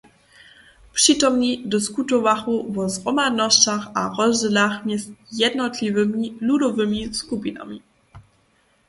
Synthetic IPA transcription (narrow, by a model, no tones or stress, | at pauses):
pʂit̪ɔmɲidɪskut̪ɔvaxuvɔzʁɔmad̪nɔstaxaʁɔzʒɛlaxmjɛsjɛdnɔt̪lʲivəmiludɔvəmiskupina̰mi